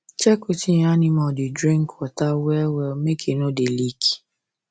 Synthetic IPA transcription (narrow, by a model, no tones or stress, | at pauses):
t͡ʃɛkotijanĩmɔ̃didɾĩŋkwatawɛwɛmekʰenodeliki̥